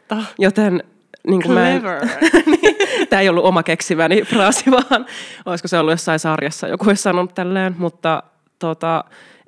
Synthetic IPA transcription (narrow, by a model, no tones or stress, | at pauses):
jot̪en | niːŋkummæ | niːt̪æːejolːuʔomɑkeksimæniprɑːsiʋɑːnoiskoseolːujosːɑisɑrjɑsːɑ̰jo̰kuoissɑnonːut̪t̪ːælːeːnmut̪ːɑ | t̪ot̪ɑ